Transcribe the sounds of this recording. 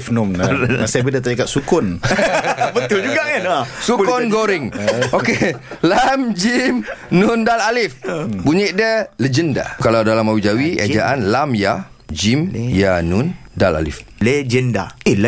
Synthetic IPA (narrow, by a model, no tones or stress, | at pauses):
fnɔmsajabədat̪aikaʔsukʊn | bət̪ʊld͡ʒuɡaʔkanasukɔnɡoɾɪŋokelamd͡ʒimnʊndalalɪfbuɲiʔdələd͡ʒənda̰kalawdalamawid͡ʒawiʔa̰d͡ʒaʔanlamja | d͡ʒimjanundala̰lḭfled͡ʒənda̰l